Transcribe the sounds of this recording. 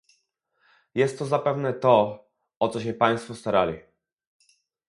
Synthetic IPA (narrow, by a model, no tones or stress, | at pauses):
jɛst̪ːɔzapɛvnɛt̪ɔ | ɔt̪sɔɕɛpaj̃st̪fɔst̪aɾalʲi